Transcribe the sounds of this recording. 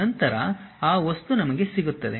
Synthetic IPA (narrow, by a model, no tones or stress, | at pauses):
ɐnt̪ɐɾɐ̰aːʋɐst̪unɐmɐɡe̞siɡut̪ːɐd̪e̞̰